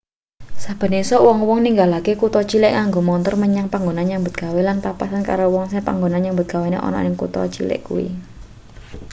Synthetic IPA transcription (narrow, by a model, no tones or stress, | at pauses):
sab̥ə̤nesɔwɔŋwɔŋniŋɡalakekut̪ɔt͡ʃilɪʔŋaŋɡomɔnt̪ɔrməɲaŋpaŋɡonanɲaŋmbət̪̚ɡ̥awelanpapasanka̰ɾowɔŋsɪhpa̰ŋɡonanjambət̪̚ɡ̥a̤wenḛʔɔ̰nɔ̰nɪŋkṵt̪ɔ̰t͡ʃḭlɪ̰ʔkṵwḭ